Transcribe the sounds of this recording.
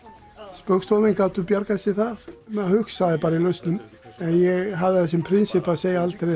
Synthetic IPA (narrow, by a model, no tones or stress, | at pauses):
spœɾkst̪ɔmɪnkaːwt̪ʏpjaɾkasɪθaɾmɛðhʏksaðɪpaːɾailœɥst̪nʏm | ɛnjɛɣɦavðɪθɛs̬ɪmpʰɾɪnsɪpaseːjaalt̪ɾe